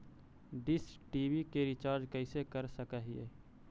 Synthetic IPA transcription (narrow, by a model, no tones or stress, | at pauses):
ɖɪsʈiːbikeɾɪt͡ʃaːɾd͡ʒkəɪsekəɾsəkəɦiḛː